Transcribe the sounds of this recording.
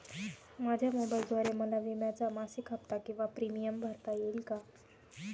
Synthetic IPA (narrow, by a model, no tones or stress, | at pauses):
mad͡ʑʱjamobajld̪ʱʋaɾeməlaʋimjat͡samasikɦəpt̪akĩw̃ʋapɾimijəmbʱaɾt̪ajelka